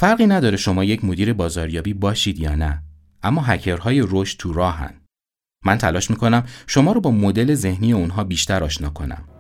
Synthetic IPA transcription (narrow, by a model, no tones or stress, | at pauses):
fæɾɣiːnæd̪ɒːɾeʃo̞mɒːje̞cʰmo̞d̪iːɾe̞bɒːzɒːɾjɒːbiːbɒːʃiːd̪jɒːnæ | ʔæmːɒːɦæcʰeɾɦɒːje̞ɾoʃtt̪ʰuɾɒːɦæ̰n | mænt̪ʰælɒːʃmiːko̞næmʃo̞mɒːɾobɒːmo̞d̪e̞le̞ze̞hniːjeunɦɒːbiːʃt̪ʰæɾɒːʃnɒːkʰo̞næ̰m